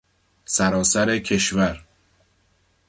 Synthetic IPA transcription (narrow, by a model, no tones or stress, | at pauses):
sæɾɒːsæɾe̞cʰe̞ʃvæɾ